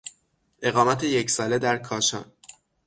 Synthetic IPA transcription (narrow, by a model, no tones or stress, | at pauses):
ʔe̞ɣɒːmæt̪ʰejecsɒːle̞d̪æɾkʰɒːʃɒ̰ːn